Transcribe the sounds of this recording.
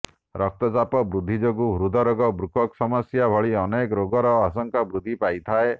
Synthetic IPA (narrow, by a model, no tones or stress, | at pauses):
ɾɔk̚t̪ɔt͡ʃapɔbɾud̪ʱːid͡ʒoɡuɦɾud̪ʱɔɾoɡɔbɾukʰɔksɔmɔsjabʱɔɭiɔnekɔɾoɡɔɾɔas̬ɔŋkabɾud̪ʱːipajt̪ʰae